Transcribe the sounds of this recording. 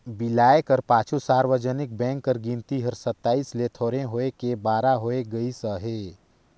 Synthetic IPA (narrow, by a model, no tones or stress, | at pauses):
bɪlaːekəɾpaːt͡ʃʰusaːɾwəd͡ʒənɪk̚bɛ̃ːŋkːəɾɡĩnt̪iɦəɾsət̪ːaːiːslet̪ʰoːɾẽɦoːekebaːɾaɦoːeɡəisəɦeː